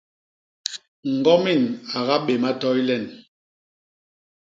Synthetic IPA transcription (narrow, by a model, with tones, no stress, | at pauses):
ŋ̩˨ɡɔ˦mi˦˨na˨ɣa˦ɓe˨ma˦tɔ˦i˦lɛ˦˨n